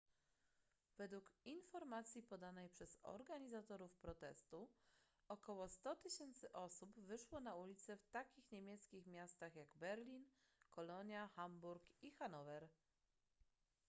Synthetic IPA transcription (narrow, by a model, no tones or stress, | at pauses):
vɛd̪wukinfɔɾmat̪sʲjipɔd̪anɛjpʂɛzɔ̰ɾɡaɲizat̪ɔɾufpɾɔt̪ɛ̰st̪u | ɔkɔwɔst̪ɔt̪ɘɕɛnt̪sɘʔɔsubvɘʂwɔnaulʲit̪sɛft̪akʲixɲemʲjɛt̪skʲixmʲjast̪axjaɡbɛɾlʲin | kɔlɔɲjaxambuɾkixanɔvɛɾ